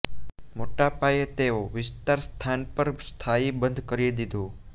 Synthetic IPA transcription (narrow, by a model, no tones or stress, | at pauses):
moʈapajet̪eoʋɪst̪aɾst̪ʰanpəɾst̪ʰaibənd̪ʱkəɾid̪id̪ʱũ